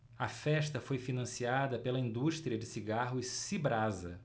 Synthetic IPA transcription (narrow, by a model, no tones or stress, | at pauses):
ɐfɛʃt̪ɐfojfinɐ̃siad̪ɐpelɐĩnd̪uʃt̪ɾiɐd͡ʒɪsiɡaɦʊsibɾazɐ